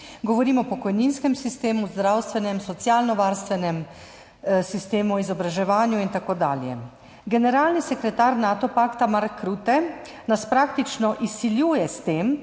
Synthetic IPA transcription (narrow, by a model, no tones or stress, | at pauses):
ɡɔʋɔɾiːmɔpɔkɔjninskɛmsist̪eːmuzd̪ɾawst̪ʋɛnɛmsɔt̪sijaːlnɔʋaːɾst̪ʋɛnɛm | sist̪eːmuizɔbɾaʒɛʋaːnjuint̪akoːd̪a̰ːljɛ̰ | ɡɛnɛɾaːlnisɛkɾɛt̪aːɾnaːt̪ɔpaːkt̪amaɾkʰːɾuːt̪ɛ | naspɾaːkt̪it͡ʃnɔʔisːiljuːjɛst̪eːm